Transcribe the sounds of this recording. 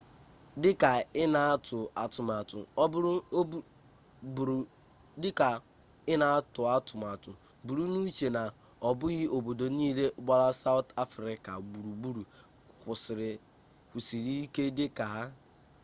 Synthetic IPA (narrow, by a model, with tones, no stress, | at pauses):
dɪ˦ka˨ɪ˦na˨a˦tʊ˨a˨tʊ˨m˨a˨tʊ̰˨˦˨ | dɪ˦ka˨ | ɪ˦na˨a˦tʊ˨a˦tʊ˨ma˨tʊ̰˨ | bu˨ɾu˦nu˦t͡ʃe˨na˨ | ɔ˨bʊ˦ɣɪ˦ʔo˨bo˨do˨niː˦le˦ɡ͡ba˦ɾa˦sa˦ʊ˦ta˦fɾɪ˦ka̰˨bu˨ɾu˨bu˦ɾu˨ | kʷʊ˨sɪ˨ɾɪ˨ | kʷu˨si˨ɾi˦i˦ke˦dɪ˦ka˨ɦa˦